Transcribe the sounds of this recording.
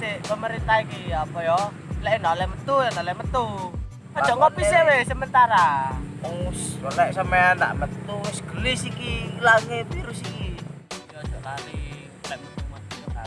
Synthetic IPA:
t̪epəməɾint̪aikiapɔjɔ | lɛʔnɔlɛmət̪ujɛnɔlɛʔmət̪u | ɔdd͡ʒ̥ɔ̤ʔŋɔpisewesəmənt̪aɾauswəlɛʔsameanda̰ʔmət̪usɡ̥əlɪsikilaŋebiɾʊsikijɔdd͡ʒ̥ɔʔkali | lɛʔmət̪umauɔka

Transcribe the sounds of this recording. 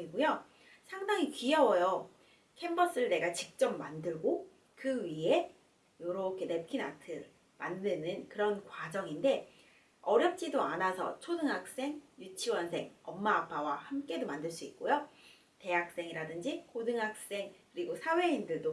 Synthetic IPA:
iɡujo | sʰaŋdaŋikiʌwʌjʌ | kʰe̞mbʌs͈ɯɯɭne̞ɡat͡ɕik̚t͡ɕ͈ʌmːandɯɭɡo | kɯɥie̞ | joɾʌkʰene̞p̚kʰina̰tʰɯ | mandɯnɯnkɯɾʌnkwad͡ʑʌŋinde̞ | ʌɾjʌp̚t͡ɕ͈idoanasʰʌ̰t͡ɕʰodɯŋɦak̚s͈e̞ŋjut͡ɕʰiwʌnsʰe̞ŋʌmːaːpʰawahamk͈e̞domandɯɭs͈uik̚k͈ojo | te̞ɦak̚s͈e̞ŋiɾadɯnd͡ʑikʰodɯŋɦak̚s͈e̞ŋkɯɾiɡosʰawe̞indɯɭdo

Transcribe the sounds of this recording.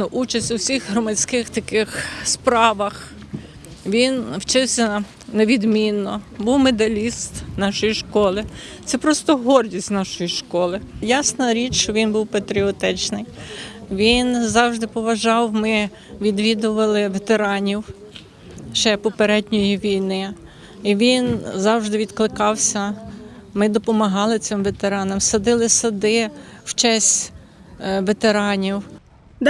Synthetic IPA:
nʊʔut͡ʃɐsʲtʲʊwsʲixɦɾɔmɐt͡sʲkɪxt̪ɐkɪxspɾɑʋɐx | ʋʲinwt͡ʃɪwsʲɐ | neʋʲid̪mʲinːɔbuwmed̪ɐlʲist̪nɑʃɔjiʃkɔlˠɪ | t̪sɛpɾɔst̪ɔɦɔrdʲisʲtʲnɑʃɔjiʃkɔlˠɪjasnɐɾʲit͡ʃt͡ʃɔʋʲinbuwpɐt̪ɾʲiɔt̪ɪt͡ʃnɪjʋʲinzɑwʒd̪ɪpɔʋɐʒɑwmɪ | ʋʲid̪ʋʲid̪ʊʋɐlˠɪʋet̪eɾɑnʲiw | ʃt͡ʃɛpɔpeɾɛd̪ʲnʲɔjiʋʲijnɪ | iʋʲinzɑwʒd̪ɪʋʲid̪klˠɪkɑwsʲɐ | mɪd̪ɔpɔmɐɦɑlˠɪsɪmʋet̪eɾɑnɔmsɐd̪ɪlˠɪsɐd̪ɪwt͡ʃɛsʲ | ʋet̪eɾɑnʲiw̪

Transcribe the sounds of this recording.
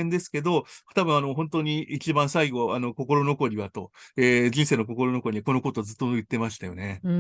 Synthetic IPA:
ẽnd̪e̞sɨ̥ke̞d̪o̞t̪abɯ̟̃ɰ̃ano̞ɦõnt̪oɲ̟iit͡ɕibãɰ̃saiɡo̞ano̞ko̞ko̞ɾo̞no̞ko̞ɾʲiβat̪o̞eːd͡ʑĩseːnoko̞ko̞ɾo̞no̞ko̞ɾʲiako̞no̞ko̞t̪ozɨt̪ːojɯ̟t̪ːe̞maɕi̥t̪ajo̞̰ne̞

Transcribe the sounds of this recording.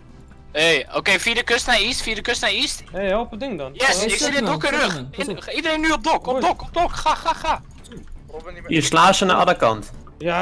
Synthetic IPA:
eːokeːfiədəkøstnaistfiːədəkøstnaistopədɪŋdɔnjɛsɪksidɪdokərøxɪidəɾeːnyɔp̚dɔkɔpdokɔp̚dokxaxaxa | iəslaːsənaʔɔləkɑ̰nt

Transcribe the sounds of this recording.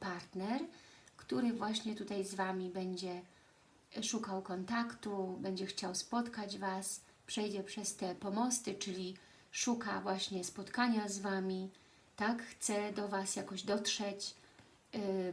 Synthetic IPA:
paɾt̪nɛɾkt̪uɾɘvwaɕɲɛt̪ut̪ajzvamʲibɛɲd͡ʑɛ | ʂukawkɔnt̪akt̪ubɛɲd͡ʑɛxt͡ɕawspɔt̪kad͡ʑvas | pʂɛjd͡ʑɛpʂɛst̪ɛpɔmɔst̪ɘt͡ʂɘlʲi | ʂukavwaɕɲɛspɔt̪kaɲazvamʲi | t̪akxt̪sɛd̪ɔvasjakɔʑd̪ɔt̪ʂɛt͡ɕ

